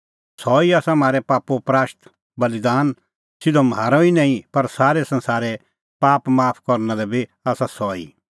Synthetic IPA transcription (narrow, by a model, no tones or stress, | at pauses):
sɔːiaːsãm̤aːɾɛpaːpopɾaːʃt̪ | bɐlɪd̪aːn | sɪd̪omɦaːɾõinãːĩpɐɾsaːɾɛsɐ̃nsaːɾɛ | paːpmaːpʰkɔɾnalɛbʱiaːsasɔːḭː